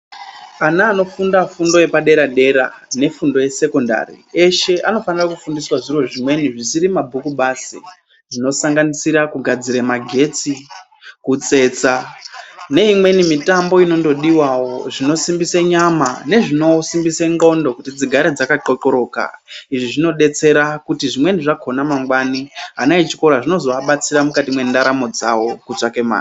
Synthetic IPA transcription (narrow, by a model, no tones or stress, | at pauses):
anaːno̞fundafundo̞je̞paɗe̞ɾaɗe̞ɾa̰ne̞fundo̞je̞se̞ko̞nda̰rḭe̞ʃe̞ʔano̞fanirakufundiswaʐiro̞ʐimwe̞niʐisiɾimabʱukuɓaːsḭ | ʐino̞saŋɡanisiɾakuɡʱad͡ziɾemaɡʱe̞t͡si | kut͡se̞t͡sa | ne̞imwe̞nimitambo̞ino̞ndo̞ɗiwawo̞ʐino̞simbiseɲamane̞ʐino̞simbiseŋɡo̞ndo̞kutid͡ziɡʱaɾed͡zakaǃoǃoɾo̞ka̰iʐiʐino̞ɗe̞t͡se̞ɾakutiʐimweniʐakʰonamaŋɡwaniɦanait͡ʃi̥ko̞ɾaʐino̞zo̞aɓat͡siɾamukatimwe̞ndaɾamo̞d͡zawo̞kut͡sakema̰ːn